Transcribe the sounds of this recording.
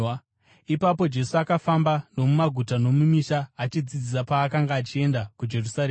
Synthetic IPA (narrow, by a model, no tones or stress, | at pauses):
ipap̬o̞d͡ʒe̞suakafambano̞mumaɡʱutano̞mumiʃaːt͡ʃid͡zid͡zis̬apaːkaŋɡaːt͡ʃie̞ndakud͡ʒe̞rusaɾeː